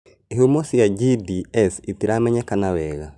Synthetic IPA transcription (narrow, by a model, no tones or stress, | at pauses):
eɦomosijaɟidiɛsitiɾamɛɲɛkanaβɛːɣa